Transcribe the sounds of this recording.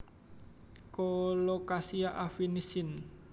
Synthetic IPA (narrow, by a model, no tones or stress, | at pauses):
kolokasiaʔafinisɪn